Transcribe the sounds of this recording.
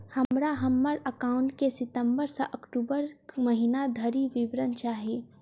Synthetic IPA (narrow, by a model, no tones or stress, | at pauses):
hɐmɾaɦɐmːəɾɐkaːʊ̃ɳʈkesɪt̪ə̃mbəɾsaʔɐkʈuːbəɾməɦinad̪ʱəɾiʋɪʋɾənt͡ʃaːɦieː